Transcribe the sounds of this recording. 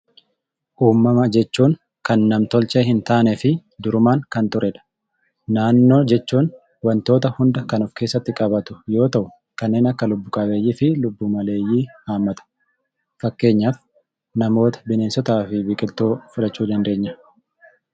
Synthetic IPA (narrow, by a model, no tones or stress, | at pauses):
ʔuːmːɐmɐd͡ʒɛt͡ʃːuːŋ | kɐnːɐmt̪ɔlt͡ʃehɪnt̪aːnɛfɪd̪ʊɾʊmaːŋkɐnt̪ʊɾʔɛᶑ̪ɐ̥ | naːnːo̞ːd͡ʒɛt͡ʃːuːn | wɐnt̪o̞ːt̪ɐhʊnd̪ɐkɐnʊfke̞ːsːɐt̪ːɪkʼɐbɐt̪ʊ̥jo̞ːt̪ɐʔʊ | kɐnːe̞ːnɐkːɐlʊbːʊkʼɐbe̞ːjːiːfɪlʊbːuːmɐle̞ːjːiːhaːmːɐt̪ʊ̥ | fɐkːe̞ːɲːaːf | nɐmo̞ːt̪ɐ̥bɪne̞ːnsɔt̪aːfɪbiːkʼɪlt̪ːoːfʊlɐt͡ʃːuːd̪ɐnd̪e̞ːɲːɐ